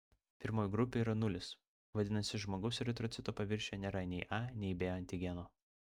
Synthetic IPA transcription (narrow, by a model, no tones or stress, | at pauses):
pʲɪɾmoːjɡɾʊpʲeːiːɾɐnʊlʲɪs | ʋɐd̪ʲɪnɐsʲɪʒmoːɡɐʊsɾʲɛt̪ɾɔt̪ʲɪt̪oːpɐʋʲɪɾʲʃʲɛnʲɛɾɐnʲɛɪʔɑnʲɛɪbʲeːɐnʲt̪ʲɪɡʲɛnoː